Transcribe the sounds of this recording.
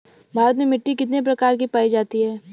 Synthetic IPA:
bʱaːɾət̪memɪʈːikɪt̪nep̬ɾɐkaːɾkipaːid͡ʒaːt̪iɦɛː

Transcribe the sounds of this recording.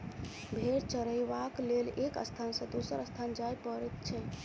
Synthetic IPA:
bʱeɾt͡ʃəɾəjʋaklelekə̰st̪ʰansə̃d̪osəɾəst̪ʰand͡ʒajpəɾɛt̪t͡ʃʰɛ

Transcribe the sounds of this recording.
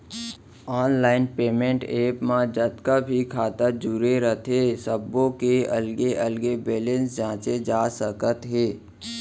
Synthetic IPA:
aːnlaːɪnpeːmẽɳʈeːpmãd͡ʒət̪kabʱikʰaːt̪əd͡ʒuɾeɾət̪ʰeːsəbːõkeəlɡeʔəlɡebeːlẽnsd͡ʒãːt͡ʃed͡ʒaːsəkət̪ɦeː

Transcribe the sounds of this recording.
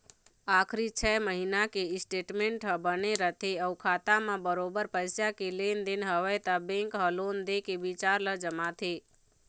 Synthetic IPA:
aːkʰɾit͡ʃʰɛːməɦinakeɪsʈeːʈmẽɳʈɦəbəneɾət̪ʰeəukʰaːt̪amãbəɾoːbəɾpəjsjakeleːnd̪ɪnɦəʋəjt̪abẽŋkɦəloːnd̪ekeʋit͡ʃaːɾləd͡ʒəmat̪ʰe

